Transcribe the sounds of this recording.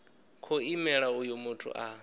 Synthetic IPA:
kʰɔimɛɺaujɔmutʰṵʔa

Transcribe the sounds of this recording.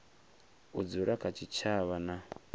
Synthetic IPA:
ud͡zuɾakʰat͡ʃʰit͡ʃʰaβana

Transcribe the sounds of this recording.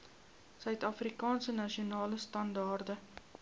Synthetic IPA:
sœɥtɐfrikɑːnsənɐʃiunɑːləstɐndɑːrdə

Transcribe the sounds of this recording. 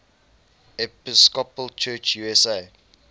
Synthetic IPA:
ɛpɪskɔpəlt͡ʃʰɜːt͡ʃjuːɛseː

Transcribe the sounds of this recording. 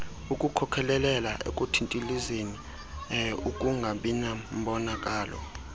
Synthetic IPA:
ukʼukʰɔkʰɛlɛlɛla̰ʔḛkʼutʰintʼilizeni | ukʼuŋɡʱaɓinam̩ɓɔnakʼaːlɔ̰

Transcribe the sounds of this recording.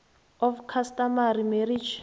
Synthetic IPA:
ɔfkʰastamaɾimɛɾid͡ʒ

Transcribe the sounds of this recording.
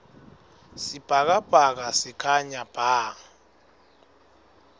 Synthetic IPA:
sib̥ʱak̬ab̥ʱak̬asikʰaɲab̥ʱaːŋ̩

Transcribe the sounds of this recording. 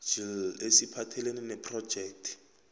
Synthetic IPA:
d͡ʒil̩esipʰatʰɛleninɛpʰrɔ̥d͡ʒɛːk̚tʰi̥

